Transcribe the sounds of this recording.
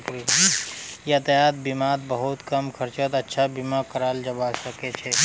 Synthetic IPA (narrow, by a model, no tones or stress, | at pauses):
pɾ | jeət̪jaːt̪̚bimaːt̪bəɦʊt̪kəmkʰəɾt͡ʃət̪ɐtːʃʰabimakəɾaːld͡ʒəbasəket͡ʃʰɛ